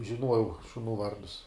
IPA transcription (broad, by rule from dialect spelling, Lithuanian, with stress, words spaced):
ʒʲɪˈnuɔjɛʊ ʃʊˈnuː ˈʋɐrdʊs